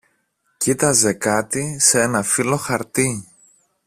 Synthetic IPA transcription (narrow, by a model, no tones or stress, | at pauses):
cit̪ɐze̞kɐt̪isee̞nɐfilo̞xɐɾt̪i